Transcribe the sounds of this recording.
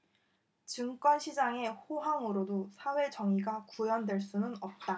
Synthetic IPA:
t͡ɕɯŋk͈ʌnɕʰid͡ʑaŋe̞ɸoɦaŋɯɾodosʰawe̞t͡ɕʌŋiɡakujʌndwe̞ɭs͈unɯnʌp̚t͈a

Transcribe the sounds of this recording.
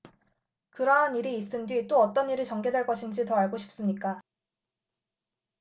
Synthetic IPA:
kɯɾʌɦaniɾiːs͈ɯndwit͈oʌt͈ʌniɾɯt͡ɕʌŋɡe̞dwe̞ɭk͈ʌɕʰind͡ʑitʌaɭɡoɕʰi̥p̚s͈ɯmɲik͈a

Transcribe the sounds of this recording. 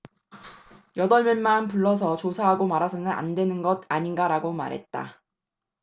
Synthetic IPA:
jʌdʌɭmjʌnmanpuɭːʌs̬ʰʌt͡ɕosʰaɦaɡomaɾasʰʌnɯna̰ndwe̞nɯnɡʌdaɲinɡaɾaɡoma̰ɾɦe̞̰t̚t͈a̰

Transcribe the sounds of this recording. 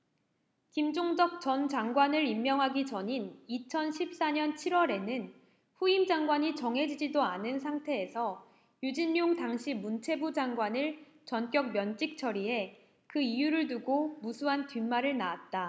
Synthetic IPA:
kimd͡ʑoŋd͡ʑʌk̚t͡ɕʌnd͡ʑaŋɡwanɯɾimːjʌŋɦaɡit͡ɕʌɲinit͡ɕʰʌnɕʰip̚s͈aɲʌnt͡ɕʰiɾwʌɾe̞nɯn | ɸuimd͡ʑaŋɡwaɲit͡ɕʌŋɦe̞d͡ʑid͡ʑidoanɯns̬ʰaŋtʰe̞ːsʰʌ | jud͡ʑinːoŋtaŋɕʰimunt͡ɕʰe̞bud͡ʑaŋɡwanɯɭ | t͡ɕʌnk͈jʌk̚mjʌnt͡ɕ͈ik̚t͡ɕʰʌɾie̞ | kɯijuɾɯɭduɡomusʰuɦantɥimːaɾɯɭnaat̚t͈a

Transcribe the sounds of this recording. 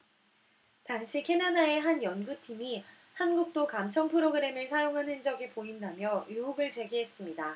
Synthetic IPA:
taŋɕʰikʰe̞nadae̞ɦanjʌnɡutʰimi | hanɡuk̚t͈okamt͡ɕʰʌŋpʰɯɾoɡɯɾe̞mɯɭsʰajoŋɦanɦend͡ʑʌɡipoɦimdamjʌjuɦuɡɯɭt͡ɕe̞ɡiɦe̞s͈ɯmɲida

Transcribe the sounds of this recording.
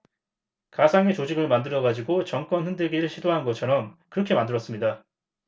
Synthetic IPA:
kasʰaŋe̞t͡ɕod͡ʑiɡɯɭmandɯɾʌɡad͡ʑiɡot͡ɕʌŋk͈wʌnɸɯndeɡiɾɯɭɕʰidoɦanɡʌt͡ɕʰʌɾʌmkɯɾʌkʰe̞mandɯɾʌs͈ɯmɲida

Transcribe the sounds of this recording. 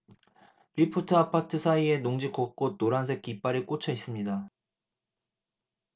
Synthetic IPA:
ɾipʰutʰɯapʰatʰɯsʰaie̞noŋd͡ʑik͈ok͈otoɾansʰe̞k̚k͈ip͈aɾik͈ot͡ɕʰʌis͈ɯmɲida

